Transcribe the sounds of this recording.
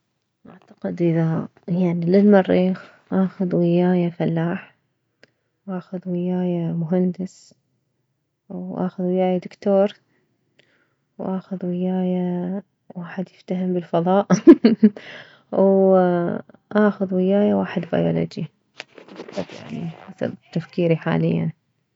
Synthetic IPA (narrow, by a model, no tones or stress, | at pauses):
ʔaʕt̪ḁqɪd̪ʔɪða | jaʕnilɪlmɑrˤːiːx | ʔaːxʊðwɪjaːjafalːaːħ | wʔaːxʊðwɪjaːjamʊɦand̪ɪs | wʔa̰ːxʊðwɪjaːjad̪ʊkt̪oːɾˤ | wʔaːxʊðwɪjaːja | waːħɪd̪jɪft̪aɦɪmbɪlfɑðˤɑːʔ | w | ʔaːxʊðwɪjaːjawaːħɪd̪ba̰joːlo̰ːd͡ʒi | t̪ˤɑbja̰ʕniasa̰bt̪ːafkiːɾiħa̰ːlɪjːa̰n